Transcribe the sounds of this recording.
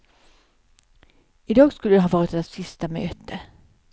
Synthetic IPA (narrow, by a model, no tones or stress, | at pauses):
ɪd̪ɑːɡskɵlːəd̪ɛɦɑːvɑːɾɪt̪ɛsɪst̪amøːt̪ə